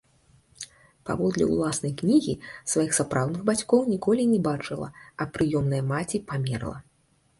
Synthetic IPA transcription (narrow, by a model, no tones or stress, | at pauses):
pa̰vɔd̪lʲɛ̰ṵlˠasnɐjknʲiɣʲḭsvajixsapɾʔawd̪nɨɣbat͡sʲkɔwnʲikɔlʲinʲɛbat͡ʂɨlˠɐ̰ɐpɾɨjɔmnɐjɐmat͡sʲipamʲɛrlˠɐ̰